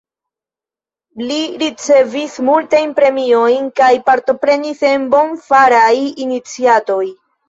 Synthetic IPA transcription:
liɾit͡se̞vismultajnpɾe̞mio̞jnkajpaɾto̞pɾe̞nise̞nbo̞nfaɾajinit͡siato̞j

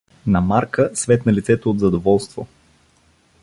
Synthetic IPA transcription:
nɐmaɾkəsvɛt̪nɐlʲit̪sɛt̪ood̪zɐd̪ovɔlˠst̪vo̰

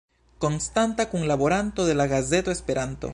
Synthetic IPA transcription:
konst̪ant̪akuŋlaβoɾant̪oðelaɣazet̪oespeɾʔant̪o̰

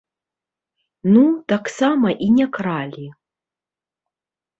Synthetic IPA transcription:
nut̪aksamɐʔinʲɛkɾalʲi

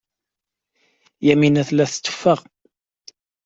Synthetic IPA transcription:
jæminæθlæθt͡sːə̥fːəʁ

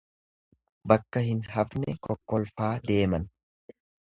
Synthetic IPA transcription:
bɐkːɐhɪnɦɐfnɛkɔkːɔlfaːd̪e̞ːmɐn

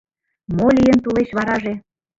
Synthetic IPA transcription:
molʲijənt̪uleɕβɑɾɑʒe

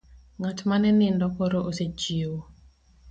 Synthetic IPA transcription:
ŋatmanɛnɪndɔkoɾoʔosed͡ʒioo

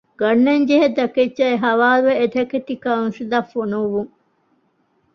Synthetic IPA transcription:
ɡ̥ɐnːeɲd͡ʒeɦed̪ɐket͡ʃt͡ʃɐeɦɐʋaːluʋeeʈ̪ɐket̪ikanũsid̪afonuʋuŋ

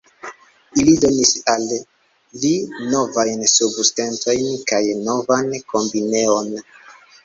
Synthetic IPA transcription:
ilido̞nisalː | ino̞vajnsubuste̞nto̞jnkajno̞vanko̞mbine̞o̞n

